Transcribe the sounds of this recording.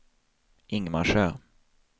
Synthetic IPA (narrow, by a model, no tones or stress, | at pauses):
ɪŋma̰ʂøː